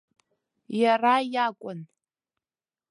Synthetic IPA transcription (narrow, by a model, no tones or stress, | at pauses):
jarajakʷʼʊn